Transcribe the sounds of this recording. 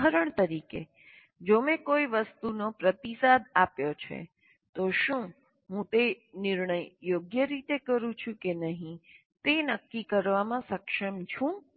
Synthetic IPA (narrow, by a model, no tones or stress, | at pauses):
ɦəɾəɳt̪əɾikḛ | d͡ʒomẽkoiʋəst̪unopɾət̪isad̪apjot͡ʃʰḛ | t̪oʃũ | ɦũt̪e | nɪɾɳəjːoɡjəɾit̪ekəɾũt͡ʃʰũkenəɦĩ | t̪enəkːikəɾʋamãsəkʃəmt͡ʃʰũ